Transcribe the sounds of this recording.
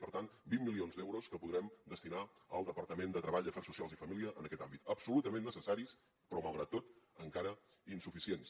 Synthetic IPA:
pəɾt̪anbimːilionzd̪ɛwɾoskəpuðɾɛmd̪əst̪inaəlˠd̪əpəɾt̪əmend̪ət̪ɾəβaʎd̪əfɛrsusialˠzifəmiliəʔənəkɛt̪ambit̪əpsulut̪əmẽnːəsəsaɾis | pɾɔməlˠɣɾat̪ːot̪əŋkaɾəinsufisiens

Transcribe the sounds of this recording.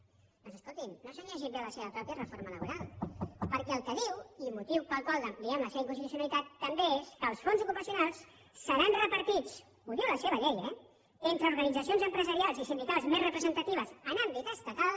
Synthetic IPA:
d̪ənzəskolˠt̪imnːosəɲɛʒ̬imbeləseβəpɾɔpjəzrəfoɾmələβuɾalˠpəɾkɛəlˠkəðiwilmut̪iwpəlˠkwalˠd̪əmpliɛmləseβəiŋkunsit̪usjunalit̪at̪ːəmbeeskəːlˠsfonzukupəsijunalˠs | sːəɾanrəpəɾt̪it͡s | uðiwləseβəʎɛjɛ | ent̪ɾəuɾɣənid͡zəsionzəmpɾəzəɾialˠzisind̪ikalˠzmezrəpɾəzənt̪ət̪iβ̞əzənand̪ik̪ast̪əkað

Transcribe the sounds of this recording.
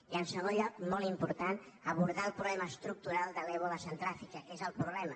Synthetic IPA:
iəlsəɣoʎamolimpuɾt̪an | aβuɾðaəlˠpɾuβlɛmaəst̪ɾuk̚t̪uɾalˠd̪əlɛβoləsant̪ɾafikɐkezəlˠpɾuβlɛmɐ

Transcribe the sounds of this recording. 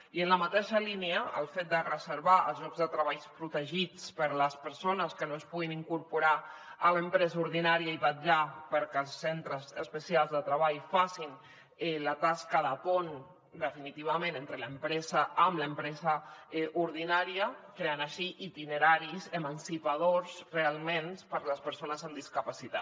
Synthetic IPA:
iənləmət̪eʃəlineəəlˠfet̪̚d̪ərəzəɾβaʔə̰lˠzʒɔɡzðət̪ɾəβajspɾut̪əʒit͡spəɾləspəɾsonəskənoəspuɣiniŋkuɾpuɾaələmpɾɛzuɾðinaɾiəiβaʒapəɾkəlˠsːent̪ɾəzəspəsialˠzðət̪ɾəβaʎfasin | ɛlət̪askəðəpon | d̪əfinit̪iβ̞əmẽnent̪ɾələmpɾɛzəəmləmpɾɛzəʔuɾðinaɾiəkɾeənəʃiʔit̪inəɾaɾizəmənsipaðoɾzrealˠmenpəɾləspəɾsonəzamd̪iskəpasit̪at̪

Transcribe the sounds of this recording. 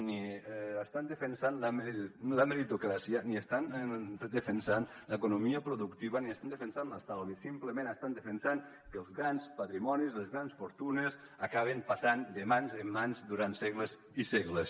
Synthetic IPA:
niast̪and̪əfensanlamelameɾit̪okɾasiəniest̪anðefensan | ləkunomiəpɾoðukt̪iβaniəst̪and̪efensanlast̪alβisimpləmẽnəst̪and̪əfensan | kəlˠzɣɾanspat̪ɾimɔnizlezɣɾansfoɾt̪unes | akaβ̞empasand̪emanzemːanzd̪uɾant̪sɛɣləz | isɛɣles

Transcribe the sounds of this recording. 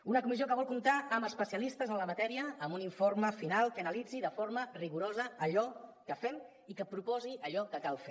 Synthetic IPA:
unəkumiziokəβ̞ɔlˠkunt̪aəməspəsiəlist̪əzənləmət̪ɛɾiəːmuniɱforməfinalˠkənəlid͡ziðəfoɾməriɣuɾozəəʎɔkəfɛm | ikəpɾupɔziəʎɔkəkalˠfe

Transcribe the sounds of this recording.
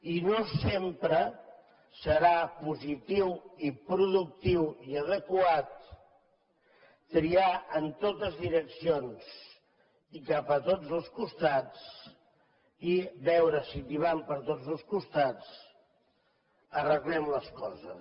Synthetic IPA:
inosempɾə | səɾapuzit̪iwipɾuðuk̚t̪iwiəðəkwat̪̚ | ɾiaənt̪ot̪əzðiɾəksions | ikapət̪od͡zəlˠskust̪at͡s | iβɛwɾəsit̪iβ̞ampəɾt̪od͡zəlˠskust̪at͡s | ərəɣlɛmləskɔzə̰

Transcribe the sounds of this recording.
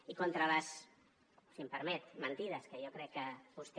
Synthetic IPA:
ikont̪ɾələs | simpəɾmɛt̪mənt̪iðəskəjokɾɛkːəβust̪

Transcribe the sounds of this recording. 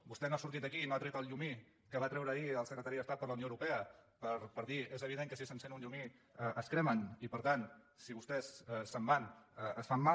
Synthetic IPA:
bust̪ɛnoasuɾt̪it̪əkiːnoat̪ɾɛt̪əlˠʎumi | kəβat̪ɾɛwɾəːiəlˠsəkɾət̪aɾiəəst̪at̪̚d̪ələwnjoəwɾupɛəpəɾpəɾðiezəβiðeŋkəsisənsenuɲʎumi | əʔəskɾɛmənipəɾt̪an | siβust̪ɛssəmbanəəsfamːa

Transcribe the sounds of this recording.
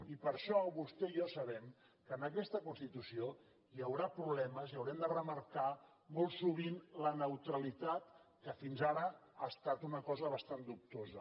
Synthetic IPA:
ipəɾʃɔβust̪ɛiɔsəβɛm | kəːnəkɛst̪əkunst̪it̪usio | jəwɾapɾuβlɛməziəwɾɛmd̪ərəməɾka | mɔlˠsuβ̞inlənəwt̪ɾəlit̪at̪kəfinzaɾəast̪at̪unəkɔzəβəst̪and̪up̚t̪ozə̰

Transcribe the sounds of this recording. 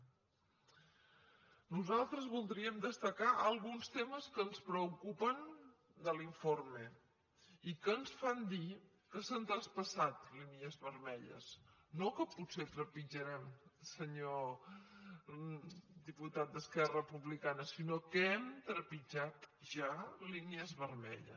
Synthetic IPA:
nuzalˠt̪ɾəzβulˠd̪ɾiəmd̪əst̪əkaʔəlˠɣunst̪eməskənspɾəukupən | d̪əliɱforme | ikəːnsfand̪i | kəsant̪ɾəspəsat̪linjəzβərmɛʎə̰snokəputset̪ɾəpid͡ʒəɾɛmsəɲo | d̪iput̪at̪̚d̪əskɛrəpuβlikanəsinokəɛmt̪ɾəpid͡ʒat̪ʒaliniəzβərmɛ̰ʎə̰

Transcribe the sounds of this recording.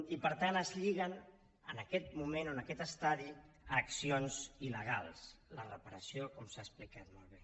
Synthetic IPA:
ipəɾt̪anəzʎiɣən | ənəkɛt̪mumenonəkɛt̪əst̪aði | əksionziləɣ̞a̰lˠslərəpəɾəsiokɔmsasplikat̪molˠβe

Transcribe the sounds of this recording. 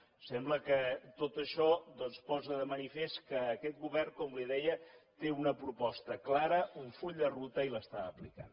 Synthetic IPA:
sɛmbləkət̪ot̪əʃɔd̪ɔnspɔzəðəmənifeskəːkɛt̪̚ɣuβɛrŋkɔmliðɛjət̪eunəpɾupɔst̪əklaɾəuɱfuʎd̪ərut̪əiləst̪aəplika̰n

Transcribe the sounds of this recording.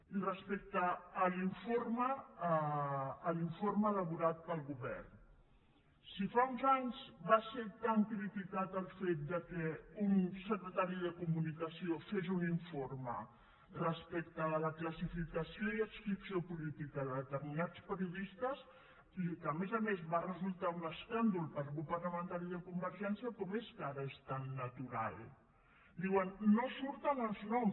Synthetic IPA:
irəspek̚t̪əːliɱformə | liɱfoɾməːləβ̞uɾat̪̚pəlˠɣuβɛ̰rn | sifaunzaɲzbaset̪amkɾifikat̪əlˠfet̪̚d̪əkɛunsəkɾət̪aɾiðəkumunikəsiofeʒuniɱformə̰ | rəspekt̪əːləkləsifikəsioiəkskɾipsiopulit̪ikəðəðət̪əɾminat͡spəɾiuðist̪əz | ikəːmezəmezβarəzulˠt̪aunəskand̪ulˠpəɾɣupəɾləmənt̪aɾiðəkumbəɾʒɛnsiəkɔmeskaɾəest̪anːət̪uɾa̰lˠ | d̪iwənːosuɾt̪ənəlˠznɔm

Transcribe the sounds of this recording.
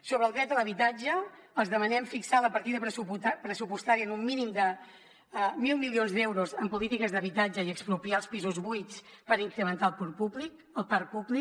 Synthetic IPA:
soβəlˠd̪ɾɛt̪ələβ̞it̪ad͡ʒəːlˠzðəmənɛmfiksaləpəɾt̪iðəpɾəsupust̪aɾiənumːinimd̪ə | milˠmilionzd̪ɛwɾuzəmpulit̪ikəzðəβit̪ad͡ʒəiəkspɾupialˠspizuzβujt͡spəɾiŋkɾəmənt̪alˠpuɾpublik | əlˠpaɾpubli

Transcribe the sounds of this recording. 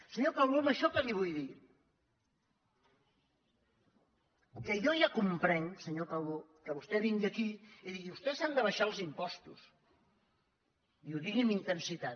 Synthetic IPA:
səɲopawβooməʃɔkəliβ̞ujði | kəjɔʒakumpɾɛŋsəɲokawβokəβust̪ɛβiŋɡiəkiiðiɣiust̪ɛzand̪əβəʃalˠzimpɔst̪us | iuðiɣimint̪ənsit̪at̪

